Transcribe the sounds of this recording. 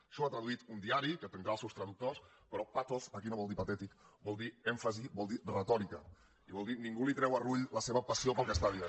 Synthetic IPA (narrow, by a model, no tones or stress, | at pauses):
ʃɔat̪ɾəðuit̪und̪iaɾikət̪ənd̪ɾaːlˠsɛwst̪ɾəðuk̚t̪os | pəɾɔpat̪ofəkinoβɔlˠd̪ipat̪ɛt̪ikbɔlˠd̪iɛɱfəzibɔlˠd̪irət̪ɔɾikə | iβɔlˠd̪iniŋɡulit̪ɾɛwəruʎləseβəpəsiopəlˠkəst̪aðia